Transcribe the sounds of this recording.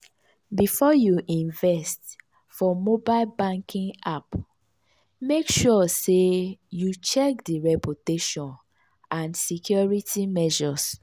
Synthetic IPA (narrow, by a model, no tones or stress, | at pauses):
bifɔjuʔĩnvɛst | fɔmobaɪlbãŋkʰĩŋap | mekʃɔsejut͡ʃɛkdiɹɛputeʃɔ̃n | ãnsikʰjɔɹitʰimɛʒɔs